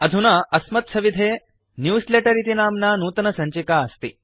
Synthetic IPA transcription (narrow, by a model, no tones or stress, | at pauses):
ɐd̪ʱunaːʔɐsmɐt̪̚sɐʋid̪ʱeː | njuːsleʈɐɾit̪inaːmnaːnuːt̪ɐnɐsɐɲt͡ʃikaːɐst̪i